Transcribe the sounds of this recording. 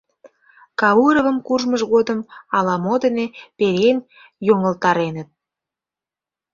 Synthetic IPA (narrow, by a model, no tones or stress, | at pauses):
kɑuɾəvəmkuʒməʒɣod̪əmɑlɑmod̪ə̆nepeɾen | joŋəlt̪ɑɾenət̪̚